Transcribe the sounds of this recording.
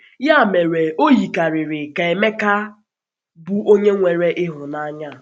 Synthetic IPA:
ja˦˨me˨ɾe˨o˦ji˨ka˨ɾɪ˨ɾɪ˨ka˨e˨me˦ka˦ | bu˦o˦ɲe˦ŋʷe˨ɾe˦ʔɪ˦ɦʊ˨na˦ɲa˦˨

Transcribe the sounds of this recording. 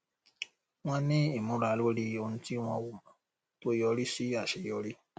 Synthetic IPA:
w̃ɔ̃˧nĩ˦i˦˨mũ˨˦ɾa˧˦lo˦ɾi˦o˧nũ˧˦ti˦w̃ɔ̃˧wo˦˨mã˨ | to˦jɔ˧˦ɾi˦si˦a˦˨ʃe˨jɔ˨˦ɾi˦

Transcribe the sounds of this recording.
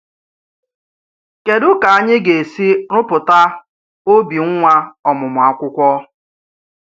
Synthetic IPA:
ke˨dʊ˦ka˨a˦ɲɪ˦ɡe˨e˨si˦ɾʊ˦pʊ˨ta˦ | o˦bi˨ŋ̩˦ŋʷa˦ɔ˨mʊ˨mʊ˨a˦kʷʊ˦kʷɔ˦

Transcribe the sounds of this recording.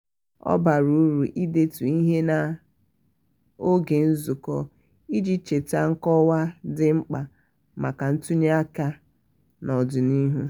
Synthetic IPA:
ɔ̰˦ba˨ɾu˦ɾu˨ʔi˦de˦tu˨i˦ɦe˦na˨ | o˦ɡe˨n̩˦zu˨kɔ˦ | i˦d͡ʒi˦t͡ʃe˨ta˦ŋ̩˦kɔ˦wa˦dɪ˦ŋ͡m̩˦k͡pa˨ | ma˨ka˨n̩˦tu˦ɲe˦a˦ka˦ | nɔ˨dʊ˨ni˦ɦu˦

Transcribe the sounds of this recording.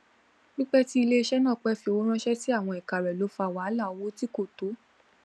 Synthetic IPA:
nĩ˦k͡pɛ˦ti˦i˧le˦˧ʃɛ˦nãː˦˨k͡pɛ˧fi˧o˨˦ɾ̃ã˦ʃɛ˦ti˦a˦˨w̃ɔ̃˧ɛ˨ka˨ɾɛ˨lo˨˦fa˧˨wa˨˦la˦˨o˨˦wo˦ti˦ko˦˨to˨˦

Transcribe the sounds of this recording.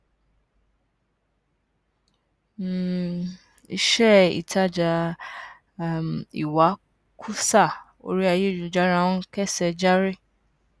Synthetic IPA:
i˧ʃɛ˦ḭ˨tʰa˦˨d͡ʒa˧ | mḭ˨wa˨˦ | kʰu˦sa˦˨ | o̰˧ɾi˦a˧je˦˨d͡ʒũ˨d͡ʒa˦ɾã˦˧˦kɛ˦˨sɛ˧d͡ʒa˦ɾe˦˨

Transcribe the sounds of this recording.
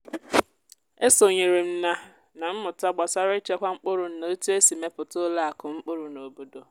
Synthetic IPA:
e˦so˨ɲi˨ɾi˨m̩˦na˦ | nã˨m̩˦mʊ˨ta˦ɡ͡bɔ˨sa˦ɾɪ˦t͡ʃe˦kʷa˦ŋ͡m̩˦k͡pʊ˦ɾʊ˨n̩˨na˨o˦tu˦e˦si˨me˦pʊ˨tʊ˦la˦a˨kʊ˨ŋ͡m̩˦k͡pʊ˦ɾʊ˨no˨o˨bo˦do˨

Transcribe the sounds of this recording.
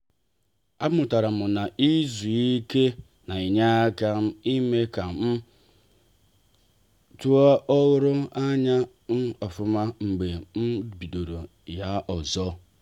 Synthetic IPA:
a˦mʊ˨ta˨ɾa˨mʊ˨na˨i˦zu˨i˦ke˦ | na˨i˨ɲa˦ka˦m̩˦i˦me˦ka˨m̩˦ | tu˦ɔ˦ʔɔ˦ɣʊ˦ɾʊ˦a˦ɲa˦ | n̩˦ɔ˨fʊ˦ma˦ŋ͡m̩˨ɡ͡be˨m̩˦bi˨do˨ɾo˨ | ja˦ʔɔ˨zɔ˦

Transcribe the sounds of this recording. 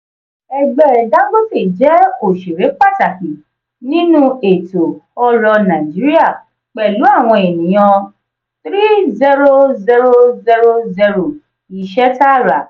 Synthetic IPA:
ɛ˨ɡ͡bɛ˨˦˨dã˨˦ɡ͡bo˦fe˦˨d͡ʒɛ˨˦o˨ʃe˨ɾe˨˦k͡pa˦˨ta˨ki˨ | nĩ˦nũ˦e˨to˨ɔ˧ɾɔ˧nã˨d͡ʒi˨˦ɾi˦a˦˨ | k͡pɛ˨lu˨˦a˦˨w̃ɔ̃˧e˨nĩ˨j̃ɔ̃˧ | t̪ɾi˦zɛ˧ɾo˦zɛ˧ɾo˦zɛ˧ɾo˧zɛ˧ɾo˨ | i˨ʃɛ˦ta˦˨ɾa˨

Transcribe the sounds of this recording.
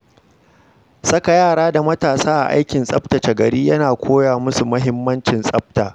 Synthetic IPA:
sɐ˦ka˨jaː˦˨ɽaː˦da˨mɐ˦taː˨saː˦ʔa̰˨ʔa̰˦jkʲɪ˨nsʼɐ˦btɐ˨t͡ʃɐ˨ɡɐ˨ɽiː˦jɐ˦naː˨kʷʰoː˦jaː˨mʊ˦su˨mʊ˦ɦɪ˦mːɐ˦nt͡ʃɪ˨nsʼɐ˦b̚taː˨

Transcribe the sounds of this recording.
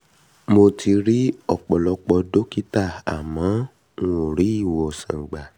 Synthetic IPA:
mo˧ti˧ɾi˦ɔ˦˨k͡pɔ˨lɔ˧k͡pɔ˧do˦ki˦ta˦˨a̰˨mã˨˦ | o˨ɾi˨˦i˦˨wɔ˨sã̰˨ɡ͡ba˨

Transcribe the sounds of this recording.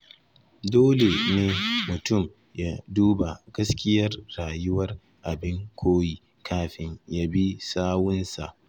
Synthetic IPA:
doː˦le˨neː˦mʊ˨tʊ˦˨m | jaː˦duː˦ba˨ɡ̥ɐ˦skʲɪ˦jɐ˦rːaː˨jʊ˦wɐ˦r | ʔa˨bɪ˦ŋkʷʰoː˦ji˦˨ | kʰaː˦ɸɪ˦ɲja˦bi˦saː˦wʊ˦nsa̰˨ʔ

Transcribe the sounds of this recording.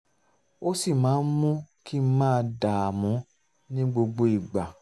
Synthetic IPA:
o˦si˦˨mãː˨˦n̩˦mũ˦ki˦m̩˦mãː˦˧da˨a˨mũ˨˦ | nĩ˦ɡ͡bo˧ɡ͡bo˧i˦˨ɡ͡ba˨

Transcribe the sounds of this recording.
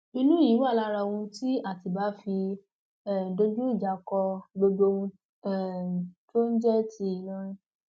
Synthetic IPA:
i˧nũ˦i˨˦wa˦˨la˧ɾa˧õ˧ũ˧ti˦a˦˨ti˨ba˨˦fi˧ | ɛ˨do˧d͡ʒũ˦i˦˨d͡ʒa˨˦kɔ˧ɡ͡bo˧dõ˧ | ɛ˦˨to˦n̩˦d͡ʒɛ˦˨ti˨˧˨i˨˦lɔ̃˦ɾ̃ĩ˦

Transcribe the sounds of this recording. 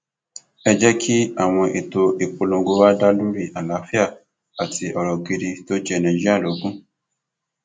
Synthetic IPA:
ɛ˧d͡ʒɛ˦kʰi˦a˦˨w̃ɔ̃˧ʔe˨to˧e˨k͡po˧lõ˧ɡo˧˦wa˦da˦lũ˦ɾi˦˨ʔa˨la˨˦fi˦a˦˨ | a˨tʰi˧ʔɔ˨ɾɔ˨ki˧ɾi˧to˦d͡ʒɛ˦˨nɛ̃˨d͡ʒi˦a˦˨lo˨˦ɡũ˦

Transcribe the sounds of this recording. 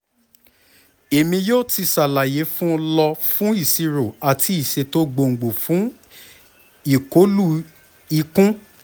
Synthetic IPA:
e˨mĩ˧joː˦˨ti˧sa˨la˨je˨˦fũ˦˧lɔ˧fũ˦i˦˨si˧ɾo˨a˨tʰi˧˦i˦˨ʃe˧to˦ɡ͡bo˧˨ŋ̩˨ɡ͡bo˨fũ˨˦ | i˨ko˨˦lu˦ | i˧kũ˦

